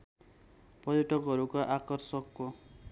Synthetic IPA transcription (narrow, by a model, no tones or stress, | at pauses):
pʌɾiʈʰʌkɦʌɾukaʔakɔrsʌkːo